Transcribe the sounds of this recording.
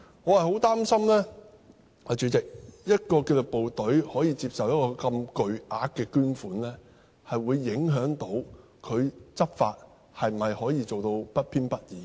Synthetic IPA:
ŋɔː˨˧hɐ˨jho˨˥wt̪aː˥msɐ˥mlɛː˥ | hɐ˨t͡ʃyː˨˧t͡sɪ˨k̚jɐ˥t̚kɔː˧ke˧t͡sʊ˨k̚po˨wt̪ɵ˨˥ɥhɔː˨˥jiː˧t͡siː˧p̚sɐ˨wjɐ˥t̚kɔː˧kɐ˧mkɵ˨ɥʔaː˧k̚kːɛː˧kyː˥nfuː˨˥nlɛː˥ | hɐ˨jwuː˨˧jːɪ˨˥ŋɦœː˨˥ŋt̪o˨˥w | kʰɵ˨˧ɥt͡sɐ˥p̚fa̰ː˧t̚ | hɐ˨jm̩˨˩hɐ˨jhɔː˨˥jiː˧t͡so˨wt̪o˧wpɐ˥t̚pʰiː˥npɐ˥t̚jiː˨

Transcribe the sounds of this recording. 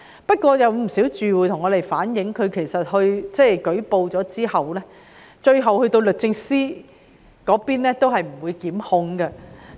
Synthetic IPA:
pɐ˥t̚kʷɔː˧jɐ˨˧wm̩˨˩siː˨˥wt͡ʃyː˨wuː˨jt̪ʰʊ˨˩ŋːɔː˨˧t̪e˨jfaː˨˥njɪ˨˥ŋkʰɵ˨˧ɥkʰe˨˩jsɐ˨t̚hɵ˧ɥt͡sɛː˥˩kɵ˨˥ɥpo˧wt͡sɔː˨˥t͡siː˥hɐ˨wlɛː˥ | t͡ʃɵ˧ɥɦɐ˨whɵ˧ɥt̪o˧wlɵ˨k̚t͡sɪ˧ŋsiː˥ | kɔː˨˥piː˥nlɛː˥t̪o˥wɦɐ˨jm̩˨˩wu˨˧jkiː˨˥mhʊ˧ŋɡɐ˧

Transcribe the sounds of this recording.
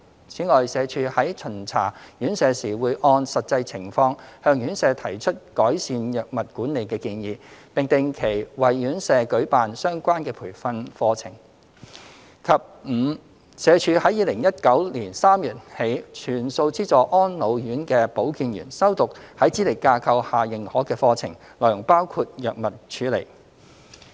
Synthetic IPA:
t͡sʰiː˨˥ŋɔː˨˩jsɛː˨˧t͡ʃʰyː˧hɐ˨˥jt͡ʃʰɵ˨˩nt͡sʰa̰ː˨˩jyː˨˥nsɛː˨˧siː˨˩wuː˨˧jʔɔː˧nsɐ˨t̚t͡sɐ˧jt͡sʰɪ˨˩ŋfɔː˧ŋhœː˧ŋjyː˨˥nsɛː˨˧t̪ʰɐ˨˩jt͡ʃʰɵ˥t̚kɔː˨˥jsiː˧njœː˨k̚mɐ˨t̚kuː˨˥nne˨˧jkɛː˧kiː˧njiː˧pɪ˨ŋt̪ɪ˨˧ŋkʰe˨˩jwɐ˨jːyː˨˥nsɛː˧kɵ˨˥ɥpaː˨nsœː˥ŋkʷaː˥nkɛː˧pʰuː˨˩jfɐ˧nfɔː˧t͡sʰɪ̰˨˩ŋ | kʰɐ˨p̚m̩ː˨˧ | sɛː˨˧t͡ʃʰyː˨˧hɐ˨˥jiː˨˧lɪ˨˩ŋjɐ˥t̚kɐ˨˥wliː˨˩nsaː˥mjyː˨˩t̚he˨˥jt͡ʃʰyː˨˩nso˧wt͡siː˥t͡sɔː˨˩ʔɔː˥nlo˨˧wjyː˨˥nkɛː˧po˨˥wkiː˧njy̰ː˨˩nsɐ˥wt̪ʊ˨k̚hɐ˨˥jt͡siː˨˥le˨˩jkaː˧kʰɐ˧whaː˨˩jɪ˨ŋhɔː˨˥kɛː˧fɔː˧t͡sʰɪ̰˨˩ŋ | lɔː˨˩jʊ˨˩ŋpaː˥wkʰuː˧t̚jœː˨k̚mɐ˨t̚t͡ʃʰyː˨˥lḛ˨˩j

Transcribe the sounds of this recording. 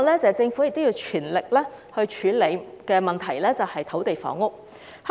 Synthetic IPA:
lɛː˥t͡sɛː˨t͡sɪ˧ŋfu˨˥jɪ˨k̚t̪o˥jiː˧wt͡ʃʰyː˨˩nlɪ˨k̚lɛː˥hɵ˧ɥt͡ʃʰyː˨˥le˨˧jkɛː˧mɐ˨nt̪ʰɐ˨˩jlɛː˥t͡sɐ˨whɐ˨jt̪ʰo˨˥wt̪e˨jfɔ̰ː˨˥ŋːʊ˥k̚ | h

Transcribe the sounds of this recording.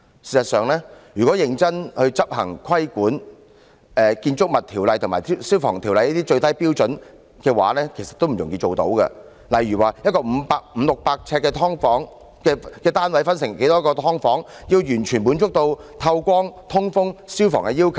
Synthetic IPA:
siː˨˩sɐ˨tsœː˨ŋlɛː˥jyː˨˩kɔ˨˥jɪ˧ŋt͡sɐ˥nhɵ˧ɥt͡sɐ˥p̚hɐ̰˨˩ŋkʰɐ˥jkuː˨˥n | ɛː˨kiː˧nt͡sʊ˥k̚mɐ˨˩t̪ʰiː˨˩wlɐ˨jt̪ʰmaː˨˩i˥siː˥wfɔː˨˩ŋt̪ʰi˨˩wlɐ˨jɐ˥t̪iː˥t͡ʃɵ˧ɥt̪ɐ˥jpiː˥wt͡sɵ˨˥n | kɛː˧wa̰ː˨˥lɛː˥kʰe˨˩jsɐ˨t̪ːo˥wm̩˨˩jʊ˨˩ŋjiː˧t͡ʃo˨wt̪o̰˨˥wkɐ̰˧ | lɐ˨˩jɥyː˨˩waː˨˩jɐt̚kɔː˧m̩˨˧paː˧k̚m̩˨˧˦lʊ˨k̚paː˧k̚t͡sʰɛː˧t̚kːɛː˧t̪ʰɔː˥ŋfɔː˨˥ŋ | kɛː˧kɛː˧t̪aː˥nwɐ˨˥jfɐ˥nsɪ˨˩ŋke˨˥jt̪ɔː˥kɔː˧t̪ʰɔː˥ŋfɔː˨˥ŋji˧wjyː˨˩nt͡ʃʰyː˨˩npu˨˥nt͡sʊ˥k̚t̪o˧wt̪ʰɐ˧wkʷɔː˥ŋt̪ʰʊ˥ŋfʊ˥ŋsiː˥wfɔ̰ː˨˩ŋkɛː˧jiː˥wkʰɐ˨˩w

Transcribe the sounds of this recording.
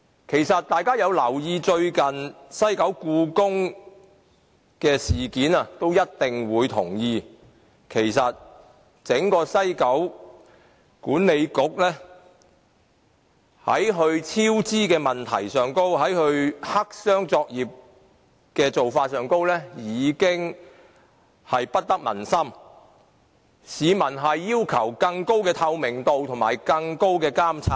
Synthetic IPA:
kʰe˨˩jsɐ˨t̚t̪aː˨jkaː˥jɐ˨˧wlɐ˨˩wjiː˧t͡ʃɵ˧ɥkɐ˨nsɐ˥jkɐ˨˥wkuː˧kʊ˥ŋ | kɛː˧siː˨˩kiː˨˥nɐ˨˧t̪o˥wjɐ˥t̚t̪ɪ˨ŋwuː˨˧jt̪ʰʊ̰˨˩ŋjiː˧ | kʰe˨˩jsɐ˨t̚ | t͡sɪ˨˥ŋkɔː˧sɐ˥jkɐ˨˥w | kuː˨˥nːe˨˧jkʊ˨˥k̚lɛː˥ | hɐ̰˨˥jɦɵ˧ɥt͡sʰiː˥wt͡siː˥kɛː˧mɐ˨nt̪ʰɐ̰˨˩jsœː˨ŋko˥wɦɐ˨˥jhɵ˧ɥha˥k̚sœː˥ŋt͡sɔː˧k̚jiː˨p̚ | kɛː˧t͡so˨wfaː˧t̚sœː˨˧ŋko˥wlɛː˥jiː˨˧kɪ˥ŋ | hɐ˨jpɐ˥t̚t̪ɐ˥k̚mɐ̰˨˩nsɐ˥m | siː˨˧mɐ˨˩nɦɐ˨jːiː˥wkʰɐ˨˩wkɐ˧ŋko˥wkɛː˧t̪ʰɐ˧wmɪ˨˩ŋt̪o˨˧wt̪ʰʊ˨˩ŋmaː˨˩jkɐ˧ŋko˥wkɛː˧kaː˥mt͡sʰaː˧˥

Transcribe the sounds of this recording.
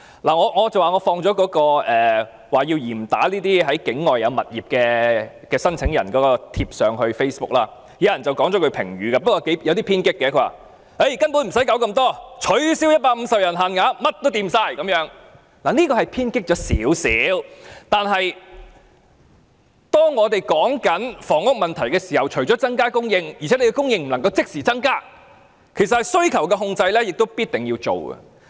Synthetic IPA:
laː˨˩ŋɔː˨˧ŋɔː˨˧t͡sɐ˨waː˨˩ŋɔː˨˧fɔː˧ŋt͡ʃɔː˨˥kɔː˨˥kɔː˧ʔɛː˨ | waː˨˩jiː˧wjiː˨˩m̩˨˩t̪a̰ː˨˥liː˥t̪iː˥ɦɐ˨˥jkɪ˨˥ŋːɔː˨jːɐ˨˧wmɐ˨t̚jiː˨˩p̚kɛː˧ | kɛː˧sɐ˥nt͡sʰɪ˨˥ŋjɐ˨˩nkɔː˨˥kɔː˧t̪ʰiː˧p̚sœː˨ŋɦɵ˧ɥfe˥jsbʊ˥k̚laː˥ | ji˨˥jɐ˨˩nt͡sɐ˨wkɔː˨˥ŋt͡ʃɔ˨˥kʰɵ˨˧ɥpʰɪ˨˩ŋɥyː˨kaː˧pɐ˥t̚kɔː˧ke˨˥jjɐ˨˧wt̪iː˥pʰiː˥nkɪ˥kːɛː˧kʰɵ˨˧ɥwaː˨˩ | e˥˩jkɐ˥npuː˨˥nm̩˨˩sɐ˨˥jkɐ˨˥wkɐ˧mt̪ɔː˥t͡ʃʰɵ˨˥ɥsi˨˥wjɐ˥t̚paː˧k̚m̩˧sɐ˨p̚jɐ˨˩nɦɐ˨nŋaː˨˧˥mɐ˥t̚t̪o˥wt̪iː˧msaː˧jkɐ˨˧˥mjœː˨˥ŋ | laː˨˩niː˥kɔː˧hɐ˨jpʰiː˥nkɪ˥k̚t͡ʃɔː˨˥sḭː˨˥wsḭː˨˥wt̪aː˨˧nɦɐ˨j | t̪ɔː˥ŋŋɔː˨˧t̪e˨jkɔː˨˥ŋkɐ˨˥nfɔː˨˩ŋʊ˥k̚mɐ˨nt̪ʰɐ˨˩jkɛ˧siː˨˩hɐ˨˩wt͡ʃʰɵ˨˩ɥt͡ʃɔː˨˥t͡sɐ˥ŋkaː˥kʊ˥ŋjɪ˧ŋjt͡sʰɛː˨˥le˨˧kɛ˧kʊ˥ŋjɪ˧ŋm̩˨˩nɐ˨˩ŋkɐ˧wt͡sɪ˥k̚siː˨˩t͡sɐ˥ŋkaː˥ | kʰe˨˩jsɐt̚hɐ˨˩jsɵ˥ɥkʰɐ˨˩wkɛ˧ɦʊ˧ŋt͡sɐ˧jlɛː˥jɪ˨k̚t̪o˥wpiː˥t̚t̪ɪ˨˩ŋji˧wt͡so̰˨˩wɡɐ̰˧˨

